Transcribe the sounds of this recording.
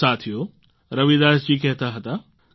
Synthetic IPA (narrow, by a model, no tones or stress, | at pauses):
aːt̪ʰijo | ɾɐʋid̪aːst͡ʃiːkɛɦt̪aɦɐt̪a